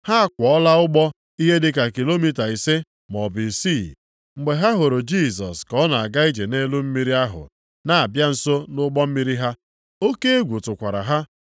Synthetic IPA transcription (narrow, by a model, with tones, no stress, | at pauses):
ha˦a˦kʷɔ˨ɔ˦la˦ʊ˦ɡ͡bɔ˦ | i˦ɦe˦dɪ˦ka˨ki˨lo˦mi˦ta˨i˨se˦ | mɔ˨bi˨si˦˨ | ŋ͡m̩˨ɡ͡be˨ɦa˦ɦo˨ɾo˨d͡ʒi˦˨s̬ɔ̰˨skɔ˦na˨a˨ɡa˦i˦d͡ʒe˨ne˦lu˦m̩˦mi˦ɾi˦a˦ɦʊ̰˨ | na˨a˨bja˦n̩˨so˦nʊ˦ɡ͡bɔ˦m̩˦mi˦ɾi˦ɦa˦ | o˦ke˦e˦ɡʷu˨tʊ˨kʷa˨ɾa̰˨ɦa˦